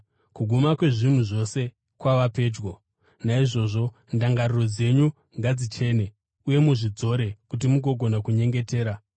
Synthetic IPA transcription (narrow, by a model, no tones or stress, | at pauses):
kuɡʱumakwe̞ʐin̤uʐo̞se̞ | kwaʋape̞ːd͡ʒɡo̞ | naiʐo̞ʐo̞ | ndaŋɡariro̞d͡ze̞ɲu | ŋɡad͡zit͡ʃe̞ːne̞ | uje̞muʐid͡zo̞ɾe̞kut̬imuɡʱo̞ɡʱo̞nakuɲe̞ŋɡe̞te̞ːɾa